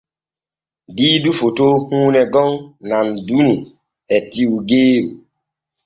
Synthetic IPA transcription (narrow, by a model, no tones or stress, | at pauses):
didufotohũnɛɡɔŋnan̩duni | ɛtiuɡeːɾu